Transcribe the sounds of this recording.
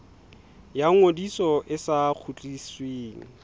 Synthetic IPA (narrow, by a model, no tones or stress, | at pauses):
jaŋŋodisɔʔɪsak͡xʰut͡ɬʼisweːŋ̩